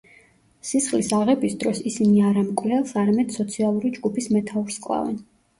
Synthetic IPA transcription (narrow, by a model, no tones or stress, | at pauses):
sisχlisaʁɛbisd̪ɾɔsisiniaɾamkʼlɛlˠsaɾamɛd̪̥sɔt̪sʰialˠuɾid͡ʒɡupʰismɛt̪ʰauɾskʼlˠa̰vɛ̰n